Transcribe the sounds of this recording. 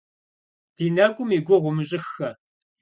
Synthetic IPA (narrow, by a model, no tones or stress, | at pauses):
d̥iːnɐɡʷʼʊmiːɡʷʊʁʷʊmɨɕʼɪxːɐ